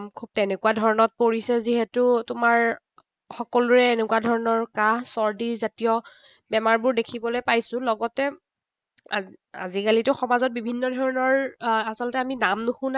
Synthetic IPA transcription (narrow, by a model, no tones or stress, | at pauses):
kʰub̚tenɛkuwadʱɔɹɔnɔt̚poɹisɛziɦetutʊmaɹ | xɔkɔluɹɛːnɛkuadʱɔɹɔnɔɹkaɦsɔɹdizatijɔ | bɛmaɹbʊɹdekʰibɔlojpajsʊ̃lɔɡɔtɛ | a̰zikalitʊxɔmazɔt̚bibʱinːɔdʱɔɹɔnɔɹasɔlɔtɛaminamnuxʊ̃na